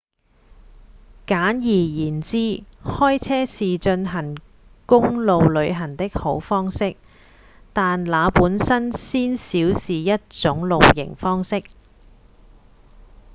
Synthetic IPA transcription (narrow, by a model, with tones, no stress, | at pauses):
kaː˨˥njiː˨˩jiː˨˩nt͡siː˥hɔː˥jt͡sʰɛː˥siː˨t͡ʃɵ˧nɦɐ˨˩ŋ | kʊ˥ŋlo˨wlɵ˨˧ɥɦɐ˨˩nt̪ɪ˥k̚ho˨˥wfɔː˥ŋsɪ˥k̚ | t̪aː˨nlaː˨˧puː˨˥nsɐ˥nsiː˥nsiː˨˥wsiː˨jɐ˥t̚t͡sʊ˨˥ŋlo˨wjɪ̰˨˩ŋfɔː˥ŋsɪ˥k̚